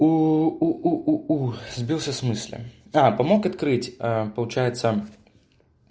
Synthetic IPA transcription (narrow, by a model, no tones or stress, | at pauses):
uuʔuʔuuzʲbʲiwˠsʲɐsmɨsʲlʲɛ̰apɐmɔkɐt̪kɾɨt͡sʲəpɐlˠut͡ʃajɛt̪sːɐ